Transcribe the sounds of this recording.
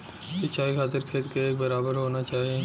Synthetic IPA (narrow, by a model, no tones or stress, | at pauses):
sɪt͡ʃaːikʰaːt̪ɪɾkʰeːt̪kaeːk̚bɐɾaːbəɾɦoːnat͡ʃaːɦieː